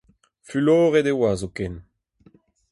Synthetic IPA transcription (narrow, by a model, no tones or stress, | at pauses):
fyloːʁed̪ewaːzokɛn